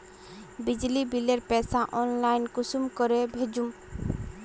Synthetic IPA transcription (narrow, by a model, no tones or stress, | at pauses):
bid͡ʒlibileɾpɛsaʔɔnlajnkusumkɔɾebʱed͡ʒum